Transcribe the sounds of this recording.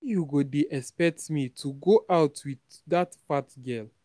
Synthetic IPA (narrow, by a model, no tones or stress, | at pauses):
juɡodeʔɛspɛk̚tmitʰuɡoʔaʊtʰwiðdatfatɡɛl